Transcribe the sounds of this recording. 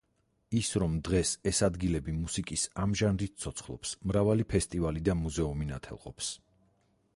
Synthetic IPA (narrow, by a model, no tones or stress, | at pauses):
isɾɔmd̪ʁɛsɛsad̪ɡilɛbimusikʼisamʒanɾit̪̚t̪sʰɔt̪sʰχlˠɔ̰psmɾavalipʰɛst̪ʼivalid̪amuzɛumina̰t̪ʰɛ̰lˠqʼɔ̰ps